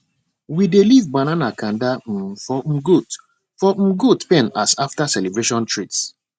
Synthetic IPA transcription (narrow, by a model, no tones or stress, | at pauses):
widelivbananakãndam̩fɔm̩ɡut | fɔm̩ɡutpɛ̃nasaftasɛlebɹeʃɔ̃ntʰɹits